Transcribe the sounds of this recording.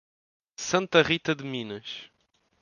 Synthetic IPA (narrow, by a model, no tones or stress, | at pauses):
sɐ̃nt̪ɐʁit̪ɐðɨminɐʃ